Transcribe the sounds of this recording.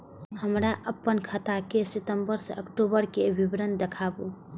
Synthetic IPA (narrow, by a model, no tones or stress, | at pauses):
həmɾaʔəpːənkʰət̪akesit̪əmbəɾsḛəkʈobəɾkeəbʱibɾənd̪ekʰabu